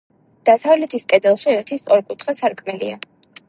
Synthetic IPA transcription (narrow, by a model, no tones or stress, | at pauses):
d̪̥asavlɛt̪ʰiskʼɛd̪ɛlˠʃiɛɾt̪ʰisɔɾkʼut̪ʰχasaɾkʼmɛlia